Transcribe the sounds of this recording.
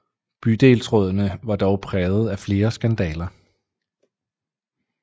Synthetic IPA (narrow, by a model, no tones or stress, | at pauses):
b̥yd̥e̝̰ːlsʁɔð̞̰ˠɐnəʋɑ̈d̥ɒʊpʰʁɛːð̩ˠæfle̝ːɐsɡ̥ænd̥ɛ̰ːlɐ